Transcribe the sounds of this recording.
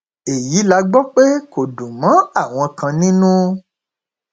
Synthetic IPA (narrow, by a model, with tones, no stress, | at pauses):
e˨ji˨˦la˧ɡ͡bɔ˦k͡pe˦ko˨dũ˨mã˨˦a˦˨w̃ɔ̃˧kã˧nĩ˦nũ˦